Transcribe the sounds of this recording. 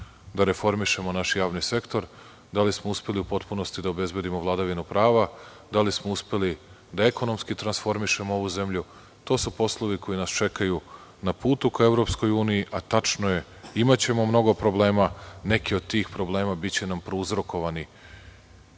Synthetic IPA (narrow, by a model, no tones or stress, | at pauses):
d̪aɾe̞fo̞ɾmiʃe̞mo̞naʃjaːʋnise̞kt̪o̞ɾ | d̪alismouspe̞liupo̞t̪puno̞st̪id̪aobe̞zbe̞d̪imo̞ʋlˠad̪aʋinupɾaːʋa | d̪alismouspe̞li | d̪ae̞ko̞no̞mskit̪ɾansfo̞ɾmiʃe̞moo̞ʋuze̞mʎu | t̪o̞ːsupo̞slˠo̞ʋikʰo̞jinast͡ʃe̞kaju | napuːt̪ukae̞vɾo̞psko̞juːnijiʔat̪at͡ʃno̞je̞ | imat͡ɕe̞mo̞mno̞ɡo̞pɾo̞ble̞ːmane̞kiod̪̚t̪iːxpɾo̞ble̞ːmabit͡ɕe̞nampɾouzɾo̞kʰo̞ʋani